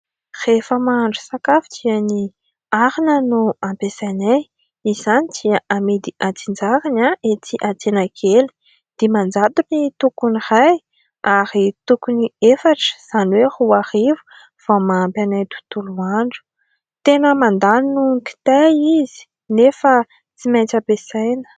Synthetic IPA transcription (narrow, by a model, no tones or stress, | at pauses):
r̥efəmaaɳɖ͡ʐu̥sakafi̥t͡siani | aɾinənuampesanaj | izanidiəʔamed̪iʔat͡sind͡zaɾanaʔet̪iʔat͡senakʰeli̥ | d̪̥emand͡zad̪unit̪ukuniraj | aɾit̪ukuniefaʈ͡ʂə̥z̥aniwehuarivu̥ | v̥amaampʲanajt̪u̥t̪uluaɳɖ͡ʐu̥ | t̪enəmand̪aninuki̥t̪eizi̥ | nefə | t͡simajt͡sapesajnə̥